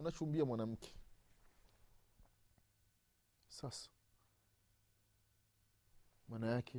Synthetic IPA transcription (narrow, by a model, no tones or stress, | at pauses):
nat͡ʃumbiamwanam̩kʰe̥ | sasḁ | manajakʰe